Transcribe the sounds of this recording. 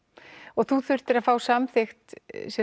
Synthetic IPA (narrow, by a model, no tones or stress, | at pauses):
ɔɣθuθʏr̥t̪ɪɾaðfaːwsamθɪxt̪sɛ